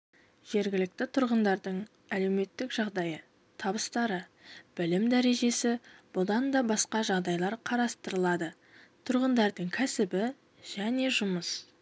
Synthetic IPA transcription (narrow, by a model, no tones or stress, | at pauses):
ʒ̥e̞ɾɡʲɪlɪk̚t̪ɪt̪ʰʊɾʁənd̪ɑɾd̪əɴ | æle̞wme̞t̪ːɪkʒ̥ɑʁd̪ɑjə | t̪ʰɑbəst̪ɑɾəb̥ɪlɪmd̪æɾe̞ʒe̞sɪb̥ʊd̪ɑnd̪ɑbɑsqɑʒɑʁd̪ɑjlˠɑɾqʰɑɾɑst̪əɾəlˠɑd̪ə | t̪ʰʊɾʁənd̪ɑɾd̪əɴkʲʰæsɪbɪ | ʒ̥æne̞ʒʊməs